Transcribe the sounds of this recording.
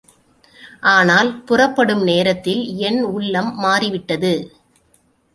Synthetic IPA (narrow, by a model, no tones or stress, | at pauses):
ʔaːnaːlpʊrɐpːɐɽɯmneːɾɐt̪ːɪlɛnʊɭːɐmːaːriʋɪʈːɐðɯ